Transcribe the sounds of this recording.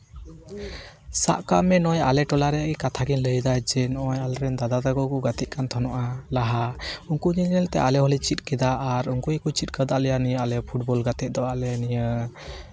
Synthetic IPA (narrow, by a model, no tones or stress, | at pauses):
sa̰ʔkaʔmɛnɔjalɛʈɔlaɾɛaɡikat̪ʰaɡinləjd̪ajd͡ʒɛnɔɔjalɾɛnd̪ad̪ad̪aɡɔkɔɡat̪ɛʔ̪̚kant̪ʰɔnɔʔalaɦauŋkuɲilɲɛlt̪ɛ̰ʔalɛɦɔlɛt͡ʃit̪̚kɛd̪aʔːɾuŋkujkut͡ʃit̪̚ˀkəd̪aʔlɛjanijəalɛpʰuʈ̚bɔlɡat̪ɛˀd̪ɔalɛanijə